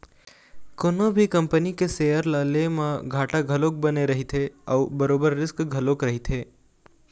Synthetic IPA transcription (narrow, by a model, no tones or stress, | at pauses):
koːnõbʱikɐ̃mpənikesejəɾlaːlemãɡʱaːʈaɡʱɐloːk̚bɐneɾɐɦit̪ʰeɔːbɐɾoːbəɾːɪskɡʱɐloːkɾɐɦit̪ʰeː